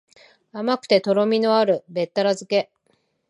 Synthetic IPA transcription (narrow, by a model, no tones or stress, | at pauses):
amakɯ̟̥t̪e̞t̪o̞ɾo̞mʲino̞aɾɯ̟be̞t̪ːaɾazɨke̞